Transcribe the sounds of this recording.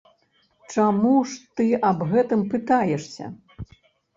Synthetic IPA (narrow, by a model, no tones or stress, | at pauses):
t͡ʂamuʂt̪ɨɐbɣɛt̪ɨmpɨt̪ajɛʂsʲɐ̰